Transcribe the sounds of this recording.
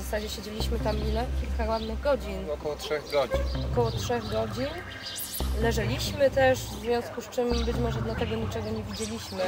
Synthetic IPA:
zasad͡ʑɛɕed͡ʑelʲiɕmɘt̪amilɛkʲilkaɾwad̪nɘɣɡɔd͡ʑinɔkɔwɔtʂɛɣɡɔiɔkɔwɔtʂɛɣɡɔd͡ʑin | lɛʐɛlʲiɕmɘt̪ɛʐzvʲjɔ̃w̃skust͡ʂɘmbɘt͡ɕmɔʐɛd̪lat̪ɛɡɔɲit͡ʂɛɡɔɲevʲid͡ʑelʲiɕmɘ

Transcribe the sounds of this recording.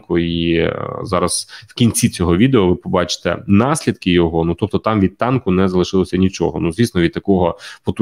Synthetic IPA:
kʊizɑɾɐz̥wkʲinʲt͡sʲit͡sʲɔɦɔʋʲid̪eɔʋɪpɔbɑt͡ʃɪ̥t̪ɛ̰nɑsʲlʲid̪kɪjɔɦɔnut̪ɔp̚t̪ɔt̪ɑmʋʲid̪̚t̪ɑnkʊnɛzɐlˠɪʃɪlˠɔsʲɐnʲit͡ʃɔ̰ɦɔ̰nuzʋʲisnɔʋʲid̪̚t̪ɐkɔɦɔpɔt̪u

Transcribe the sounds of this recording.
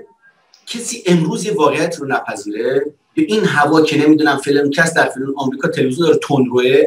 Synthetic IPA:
cʰesiːʔemɾuːzjevɒːɣejæt̪ʰiːɾonæpʰæziːɾe | beʔiːnɦævɒːcʰenemiːd̪uːnæmfelncʰæsd̪æɾfelenɒːmɾiːkʰɒːt̪ʰeleizjond̪ɒːɾet̪ʰond̪ɾoe

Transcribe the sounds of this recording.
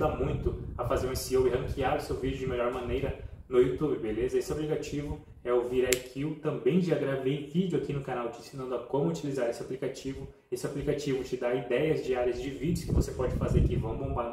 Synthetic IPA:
d̪amũj̃t̪ʊɐfazeɾ̃ẽsiowɪɦɐ̃ŋkʰiaɾʊsewvid͡ʒʊd͡ʒɪmeʎɔɾmɐ̃nejɾɐnʊjut̪ubɪbelezɐesɪaplikat͡ʃivʊ | ɛoviɾajkʰiwt̪ɐ̃mbẽj̃d͡ʒaɡɾavejvid͡ʒʊakinʊkanawt͡ʃɪĩsinɐ̃nd̪ʊakõmʊut͡ʃilizaɾesɪaplikat͡ʃivʊ | esɪaplikat͡ʃivʊt͡ʃɪd̪aɾid̪ɛjɐzd͡ʒiaɾjɐzd͡ʒɪvid͡ʒɪʊskɪvosepɔd͡ʒɪfazeɾakivɐ̃w̃bõbaɾ

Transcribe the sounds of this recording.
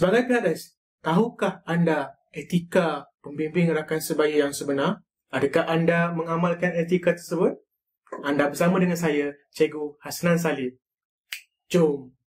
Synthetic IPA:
səbaɡajpiɦaʔlas | t̪aɦukahanda | et̪ikapəmbimbɪŋɾakansəbajəjaŋsəbənar | adakahandamə̃ŋamalkanet̪ikat̪ərsəbʊt̪̚ | andabərsamãdəŋansaja | t͡ʃeɡuhasnans̬alɪp̚ | t͡ʃom

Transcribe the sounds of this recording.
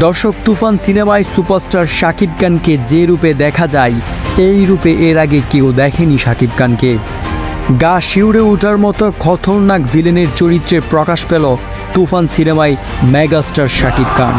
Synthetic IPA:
d̪ɔɾʃok̚t̪ufansinemajsupaɾsʈaɾʃakib̚kanked͡ʑeɾuped̪ɛkʰad͡ʑaeejɾupeʔeɾaɡekewd̪ɛkʰeniʃakib̚kanke | ɡaʃiwɽeuʈaɾmɔt̪oɡʱɔt̪ʰoɾnakbʱileneɾt͡ɕoɾit̪ːɾeɾpɾɔkaʃpelo | t̪ufansinemaj | mɛɡasʈaɾʃakib̚ka̰n

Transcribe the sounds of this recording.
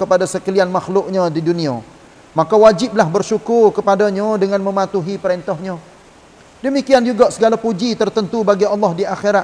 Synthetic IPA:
kəpadasəkəlianmaxlʊʔɲãdidunĩa | makawad͡ʒɪp̚lahbərʃukʊrkəpadaɲadəŋãnmə̃mat̪uɦipəɾent̪ɔhɲã | dəmikiand͡ʒuɡaʔsəɡalapud͡ʒit̪ərt̪ənt̪ubaɡiɑlːɔhdiʔaxeɾa

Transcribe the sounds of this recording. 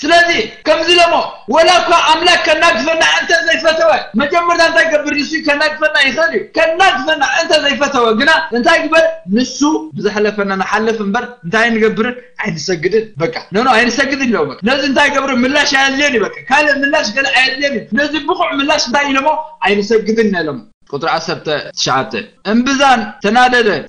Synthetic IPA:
sɨlɐzikʰɐmzilomowɐlakʰaʔamlakkʰːɐnːaɡɨfɐnːaʔɨnt̪ʰɐzɐjfɐt̪ʰɐwɐmɐd͡ʒɐmːɐɾut̪ʰaɨnt̪ʰajɡɐbːɨɾnɨsujukʰɐnːaɡɨfɐnːajɪxɐljukʰɐnːaɡɨfɐnːaʔɨnt̪ʰɐzɐjfɐt̪ʰɐwɐɡɨnaɨnt̪ʰajɡɨbɐɾnɨsubɨzɨħlɐfɐnanaħalːɐfɨmbɐɾɨnt̪ʰajajnɨɡɐbːɨɾɨnajnɨsɐɡːɨd̪ɨnbɐkʼːḁnɨnoajnɨsɐɡːɨd̪ɨnlɐwbɐkʼnɐziɨnt̪ʰajɡɐβɾumɨlːaʃajalenjubɐkʼːakʰalɐmɨlːaʃɡɐlaʔajalːenjunɐzibɨxuʕmɨlːaʃɨnt̪ʰajɪlɐmːoajnɨsɐɡɨd̪ɨnːelom | kʼut̪ʼɾʕasːɐɾt̪ʰɐt̪ʰɐ̥ʃaʕa̰bt̪ʰɐ̰ʔɨmbɨzant̪ʰɐnad̪ɐd̪ɐ

